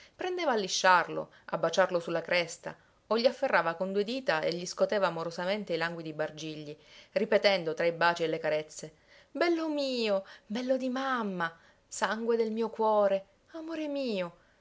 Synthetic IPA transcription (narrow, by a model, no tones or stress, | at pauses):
pɾend̪eːvaːlːiʃːarlo̰ | a̰bːat͡ʃarlosulːakɾɛst̪a̰ | oʎːiafːerːaːvakond̪ued̪iːt̪aḛʎːiskot̪eːvaːmoɾozament̪eilaŋɡwid̪ibard͡ʒiʎːiripet̪ɛnd̪ot̪ɾaibaːt͡ʃielːekaɾet̪sːe | bɛlːomiːobɛlːod̪imamːa | saŋɡwed̪elmiːokwɔːɾe | amoːɾemiːo